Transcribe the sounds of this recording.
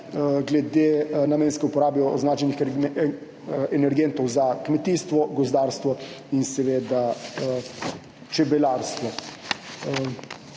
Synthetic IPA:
ɡlɛd̪eːnameːnskɛupɔɾaːbɛɔɔznaːt͡ʃɛnix | ɛnɛɾɡent̪ɔwzakmɛt̪iːst̪ʋɔɡɔzd̪aːɾst̪ʋɔinsɛʋeːd̪a | t͡ʃɛbɛlaɾst̪ʋɔ

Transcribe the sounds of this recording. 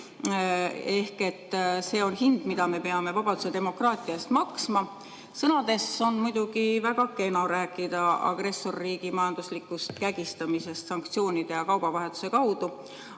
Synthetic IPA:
e̞hke̞t̪ːse̞ːo̞nhind̪̥mid̪ɑme̞peɑme̞vɑb̥ɑd̪̥use̞d̪e̞mo̞krɑːt̪ˑiɑst̪mɑksmɑ | sɤnɑd̪e̞sːo̞nmujd̪̥uɡ̥ivæɡ̥ɑkːe̞noɾæːkːˑid̪̥ɑɑ̰ɡ̥ɾe̞sːo̞rːiːɡ̥imɑjɑnd̪̥uslikːˑust̪̚kæɡ̥ist̪ɑmise̞st̪sɑŋkt̪sio̞ːnʲid̪̥e̞jɑkɑwb̥ɑvɑɦe̞t̪ːˑu̥se̞kɑwd̪u

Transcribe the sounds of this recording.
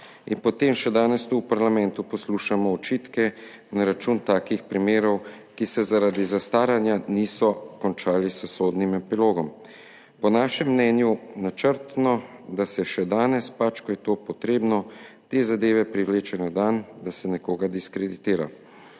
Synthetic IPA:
inpɔt̪emʃɛd̪aːnɛst̪uːpaɾlamɛ̃nt̪upɔsluːʃamɔɔt͡ʃiːt̪kɛ | naɾat͡ʃunt̪aːkixpɾimeːɾɔw | kisɛzaɾad̪izast̪aːɾjanjaniːsɔkɔnt͡ʃaːlisəsoːd̪nimɛpiloːɡɔm | pɔnaːʃɛmːnɛnjunat͡ʃəɾt̪nɔ | d̪asɛʃɛd̪aːnɛspat͡ʃkɔjɛt̪oːpɔt̪ɾeːbnɔ | t̪eːzad̪eːʋɛpɾiʋleːt͡ʃɛnad̪and̪asɛnɛkoːɡad̪iskɾɛd̪it̪eːɾa̰

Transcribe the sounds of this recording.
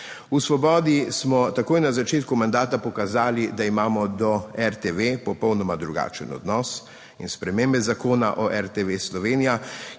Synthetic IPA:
usʋɔbɔːd̪ismɔt̪akoːjnazat͡ʃeːt̪kumand̪aːt̪apɔkazaːlid̪aimaːmɔd̪ɔɛɾt̪eʋepɔpɔwnɔmad̪ɾuɡa̰ːt͡ʃənɔ̰d̪nɔs | inspɾɛmeːmbɛzakoːna̰ʔɔʔɛɾt̪eʋeslɔʋeːnija

